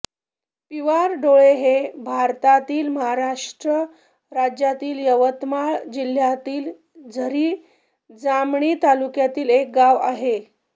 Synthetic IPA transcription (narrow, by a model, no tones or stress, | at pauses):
piʋaɾɖoɭeɦebʱaɾt̪at̪iːlməɦaɾaʂʈɾə | ɾad͡ʑjat̪iːljəʋət̪maɭd͡ʑil̤jat̪iːl | d͡zʱəɾiː | d͡zamɳiːt̪alukjat̪iːlek̚ɡaʋaɦe